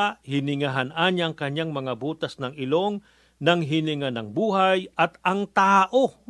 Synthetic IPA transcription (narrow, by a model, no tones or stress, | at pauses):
hɪnɪŋaɦanaɲaɐŋkɐɲaŋmɐŋabuːt̪ɐsnɐŋɪlo̞ŋ | nɐŋɦɪnɪŋanɐŋbuːɦajɐt̪ɐŋt̪aʔo